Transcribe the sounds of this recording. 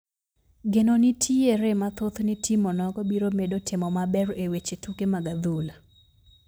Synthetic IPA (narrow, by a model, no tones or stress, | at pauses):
ɡenonitʰieɾemat̪ot̪nitimɔnɔɡɔbiɾomedotʰɪmɔmabɛɾewet͡ʃetukemaɡad̪ula